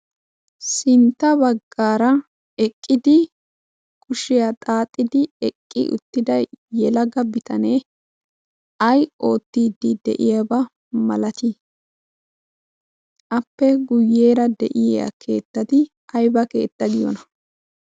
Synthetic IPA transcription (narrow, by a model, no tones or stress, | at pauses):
sɪnt̪ːɐbɐɡːaːɾɐ | ɛkʼːɪd̪ɪ | kʰʊʃɪjɐt̪ʼaːt̪ʼːɪd̪ɪɛkʼːɪ̰ʔʊ̰t̪ːɪd̪ɐjːɛlɐɡɐbɪt̪ɐneː | ɐjo̞ːt̪ːiːd̪ɪd̪ɛ̰ʔɪjɐbɐ | mɐ̰lɐt̪ɪ | ʔɐpːɛɡʊjːeːɾɐd̪ɛʔɪjjɐ̰kʰe̞̰ːt̪ːɐt̪ɪ | ɐjbɐke̞̰ːt̪ːɐɡɪjɔ̰nɐ